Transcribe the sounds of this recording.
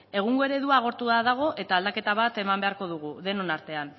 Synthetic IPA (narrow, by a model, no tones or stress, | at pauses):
e̞ɣ̞uŋɡoe̞ɾe̞ðuaːɣ̞o̞ɾt̪uðaðaɣ̞o̞ʔe̞t̪aːld̪ake̞t̪aβ̞at̪e̞mambe̞aɾko̞ð̞uɣ̞uðe̞no̞naɾt̪e̞an